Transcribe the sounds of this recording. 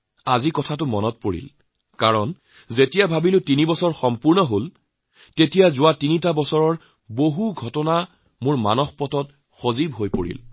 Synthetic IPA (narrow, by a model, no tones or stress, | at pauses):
azikɔtʰatʊmɔ̰nɔt̚poɹḭl | kaɹɔn | zetijabʱabilʊtinibɔsɔɹxɔmpuɹnɔɦol | tetijazʊwatinitabɔsɔɹɔɹ | boɦuɡʱɔtɔna | mʊɹma̰nɔxpɔtɔt̚ | xozibɦojpoɹḭl